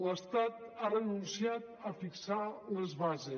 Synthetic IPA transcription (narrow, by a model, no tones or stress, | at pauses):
ləst̪at̪̚arənunsiat̪əfiksaləzβaze